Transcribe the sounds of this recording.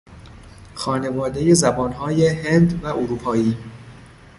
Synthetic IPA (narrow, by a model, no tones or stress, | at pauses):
xɒːne̞vɒːd̪e̞je̞zæbɒːnɦɒːje̞hend̪væʔoɾuːpʰɒːiː